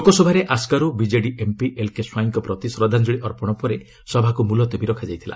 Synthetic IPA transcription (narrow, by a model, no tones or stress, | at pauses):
okɔsɔbʱaɾeʔaskaɾubid͡ʒeɖiʔempiʔelkeswajiŋkɔpɾɔt̪isɾɔd̪ʱand͡ʒɔɭiʔɔɾpɔɽ̃ɔpɔɾe | sɔbʱakumulɔt̪ɔbiɾɔkʰad͡ʒajt̪ʰila̰